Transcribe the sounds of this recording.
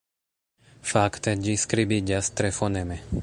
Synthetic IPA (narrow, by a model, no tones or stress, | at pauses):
fakt̪ɛɟiskɾibiɟast̪ɾɛfonɛmɛ